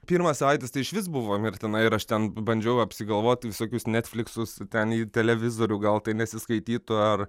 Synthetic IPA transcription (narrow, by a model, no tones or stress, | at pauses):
pʲiːrmɐssɐʋɐɪtʲɪst̪ɐɪɪʃʋʲɪs̬bʊʋoːmɪrt̪ʲɛnɐɪɪɾɐʃt̪ʲɛnbɐnʲd͡ʒʲɛjɐpʲsʲɪɡɐlˠʋoːt̪ʲʋʲɪsoːkʲʊsnʲɛːt̪ʲfʲlʲɪksʊst̪ʲɛniːt̪ʲɛlʲɛʋʲɪzoːɾʲuːɡɐlˠt̪ɐɪnʲɛsʲɪskɐɪt̪ʲiːt̪ʊɐr